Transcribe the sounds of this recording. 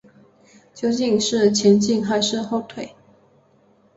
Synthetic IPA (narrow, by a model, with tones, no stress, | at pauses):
t͡ɕjo˥˧ʊt͡ɕi˥˧ŋʂɻ̩˥˩t͡ɕʰjɛ˧˥nt͡ɕi˥˧ŋxa˧˥ɪʂɻ̩˥˧xo˥˧˩ʊt̪ʰwe˨˩˦ɪ